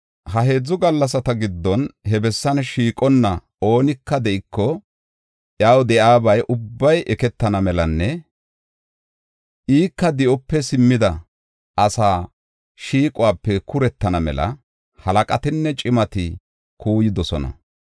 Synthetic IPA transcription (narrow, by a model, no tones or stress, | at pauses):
hɐɦe̞ːd͡zʊɡɐlːɐs̬ɐt̪ɐɡɪd̪ːɔnhɛbɛsːɐnʃiːkʼɔnːɐ | o̞ːnɪkːɐd̪ɛʔɪkːɔ | ʔjaːwd̪ɛʔaːbɐjʔʊbːɐjʔɛkɛt̪ːɐnɐmɛlɐnːɛ | ʔiːkːɐd̪ɪʔɔpːɛsɪmːɪd̪ɐ | ɐsaː | ʃiːkʼʊwaːpːɛkʰʊɾɛt̪ːɐnɐmɛ̰lɐ̰ | hɐlɐkʼɐt̪ɪnːɛt͡ʃʼɪmɐt̪ɪ | kʰuːjɪd̪ɔsɔnɐ̰